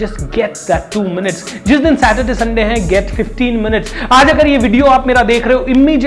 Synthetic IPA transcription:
d͡ʒɐsʈɡɛʈd̪ɛʈːuːmɪnɪʈs | d͡ʒɪsd̪ɪnsæːʈəɖɪsɐ̃ɳɖeɦɛ̃ɡɛʈfɪfʈĩːnmɪnɪʈsaːd͡ʒɐɡəɾjeʋɪɖijoaːpmeːɾad̪eːkʰɾɐɦoɪmmid͡ʒ

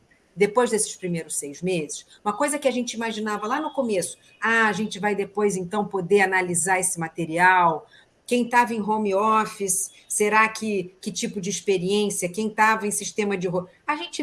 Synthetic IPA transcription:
d̪epojzd̪esɪ̥spɾimejɾʊsːejzmezɪs | ũmɐkojzɐkɪaʒẽnt͡ʃɪimaʒinavɐlanʊkomesʊ̥ | aaʒẽnt͡ʃɪvajd̪epojzẽnt̪ɐ̃w̃pod̪eanalizaɾesɪmat̪eɾiaw | kẽj̃t̪avɐẽj̃ɦõmiɔfisː | eɾakʰɪkɪt͡ʃipʊd͡ʒɪːspeɾiẽsiɐkẽj̃t̪avɐẽj̃siʃt̪ẽmɐd͡ʒɪɦo | aʒẽnt͡ʃɪ

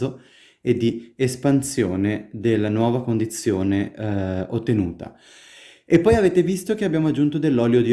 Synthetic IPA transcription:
o | ed̪ːiespansjoːned̪elːanwɔːvakond̪it̪sːjoːne | ot̪ːenuːt̪a̰ | epːɔjaveːt̪evist̪ok̟eabjaːmoad͡ʒːunt̪od̪elːɔːljod̪i

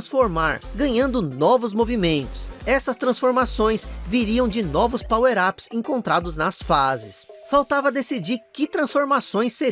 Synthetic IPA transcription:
sfoɾmaɾɡɐ̃ɲɐ̃nd̪ʊnɔvʊzmovimẽnt̪ʊ̥sɛsɐst̪ɾɐ̃sfoɾmasõj̃sviɾiɐ̃w̃d͡ʒɪnɔvʊspaweɾapsẽŋkõnt̪ɾad̪ʊznɐsfazɪ̰sfawt̪avɐd̪esid͡ʒiɾkɪt̪ɾɐ̃sfoɾmasõj̃sːe

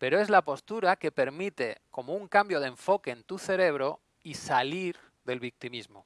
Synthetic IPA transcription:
pe̞ɾoe̞zlapo̞st̪uɾake̞pe̞ɾmit̪e̞ko̞mouŋkambjo̞ð̞eɱfo̞ke̞ːnt̪uθe̞ɾe̞β̞ɾo̞ | isaliɾ | ðe̞lβik̚t̪imizmo

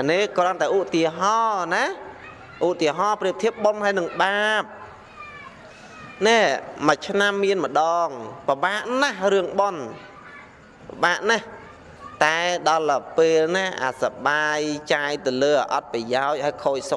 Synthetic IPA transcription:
aneːkrŏənt̪aɛʔut̪iəɦɑːna | ʔut̪iəɦɑːpriəp̚t̪ʰiəp̪̚ɓonɦaəjnɨŋɓaːp̚ | nɛməc̚t͡ɕʰnamːiənmə̆ɗɑːŋpəɓaːʔnahrɨəŋɓon | pəɓaːʔnah | t̪aɛɗɑlpeːlnaʔa̰saɓaːjt͡ɕaːjt̪ɨləːaʔɑt̪̚prajaɔc̚ʔhaəjkʰoːc̚sok̚

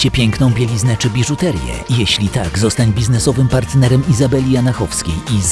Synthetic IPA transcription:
t͡ɕɛpʲjɛŋknɔ̃w̃bʲjelʲiznɛt͡ʂɘbʲiʐut̪ɛɾjɛ̰jɛɕlʲit̪aɡzɔst̪aɲbʲiznɛsɔvɘmpaɾt̪nɛɾɛmizabɛlʲijanaxɔfskʲeji

